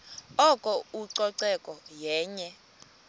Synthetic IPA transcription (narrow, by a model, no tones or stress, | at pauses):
ɔkʼɔuǀɔǀɛkʼɔjɛːɲɛ